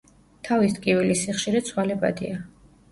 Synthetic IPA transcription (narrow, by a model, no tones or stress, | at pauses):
t̪ʰavist̪ʼkʼivilisiχʃiɾɛt̪sʰwalɛbʼa̰d̪ḭa